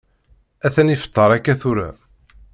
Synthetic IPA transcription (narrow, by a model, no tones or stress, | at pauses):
æθænifə̥t̪ˤːəɾˤækːæθuɾæ̰